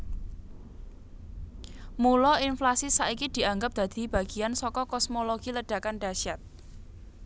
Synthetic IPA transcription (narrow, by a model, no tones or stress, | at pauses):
mulɔinflasisaʔikid̪̥i̤aŋɡap̚d̪̥ä̤d̪̥i̤b̥a̤ɡ̥i̤ansɔkɔkɔsmoloɡ̥iləɖ̥a̤kanɖaʃjat̪̚